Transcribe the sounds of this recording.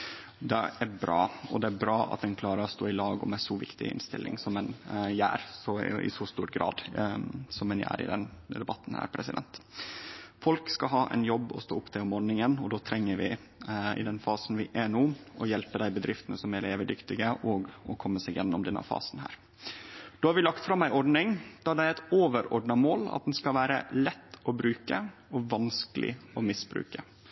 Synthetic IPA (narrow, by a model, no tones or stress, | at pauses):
d̪ɛæɾbɾɑːɔd̪ɛæɾbɾɑːʔɑ̰t̪̚d̪ɛnkʰlɑːɾəɔst̪oːɪlɑːɡʊ̰mɛsɔʋɪ̰kt̪ɪ̰ɪ̰nst̪ɪ̰lːʔɪ̰ŋsɔmɛnjæ̰ːɾsɔɪ̰sɔst̪uːʈɡɾɑ̰ːd̪ | sɔmɛnjæ̰ːɾɪ̰d̪ɛnd̪ɛbɑt̪ːn̩hæ̰ːɾpʰɾɛsɪd̪ɛ̰nt̪ | fɔlkskɑɦɑːʔɛ̰njɔbːɔ̰st̪o̰ːʊpːt̪ʰɛɔmoːɾnɪŋənɔd̪oːt̪ʰɾɛŋːəɾʋɪ | ɪ̰d̪ɛnfɑːsn̩ʋɪʔɛnuːʔɔjɛlpəd̪æɪbəd̪ɾɪft̪ənəsɔmæɖ̪ɛːʋəd̪ʏkt̪ɪɡəʔɔːɡɔkʰɔmːəsɛːɡjɛ̰nːɔmd̪ɛnːə̰fɑ̰ːsnhæ̰ːɾ | d̪̥oːhɑɾʋɪlɑkt̪fɾɑmːæɪʔɔɖnɪŋd̪̥ɑːd̪æɪɛɪt̪oːʋəɾɔɖɳɑmoːlɑ̰t̪̚d̪ɛnskɑʋæːɾə̰lɛt̪ːʔɔbɾʉːkəɔʋɑnskəlʔɪ̰ɔmɪsbɾʉ̰ːkə